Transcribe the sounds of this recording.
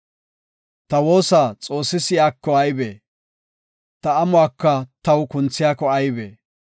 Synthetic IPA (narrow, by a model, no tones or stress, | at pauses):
t̪ɐwo̞ːsaːt͡sʼo̞ːsːɪsɪjaːkːɔɐjbḛː | t̪ɐɐmʊwaːkːɐt̪ɐwkʊnt͡sːɪjaːkɔɐjbḛː